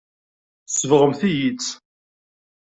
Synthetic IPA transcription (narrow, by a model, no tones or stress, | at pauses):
sːəvʁəmθijit͡sː